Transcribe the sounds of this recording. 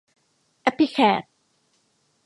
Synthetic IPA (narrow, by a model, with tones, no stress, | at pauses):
ʔɛ˦˥pi˧kʰɛː˨˩t̪̚